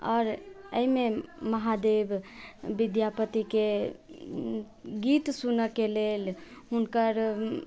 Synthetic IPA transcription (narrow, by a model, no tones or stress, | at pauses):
ɔ̰ːɾəimeməɦad̪ebʱbid̪japət̪ike | ɡit̪sunəkelelɦunkəɾ